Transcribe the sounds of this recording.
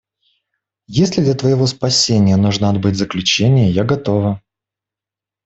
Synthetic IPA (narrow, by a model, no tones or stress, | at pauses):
jesʲlʲɪd̪lʲət̪vəjɪvo̞spɐsʲenʲɪjənuʐnəɐd̪̚bɨtʲzəklʲʉt͡ɕenʲɪjəjaɡɐt̪o̞və